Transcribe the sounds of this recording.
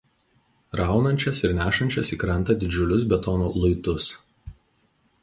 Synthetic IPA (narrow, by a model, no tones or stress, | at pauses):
ɾɑˑʊnɐnʲt͡ʃʲɛsɪɾnʲæːʃɐnʲt͡ʃʲɛsiːkɾɐnˑt̪ɐd̪ʲɪd͡ʒʲʊlʲʊs̬bʲɛt̪ɔnulˠɐɪt̪ʊs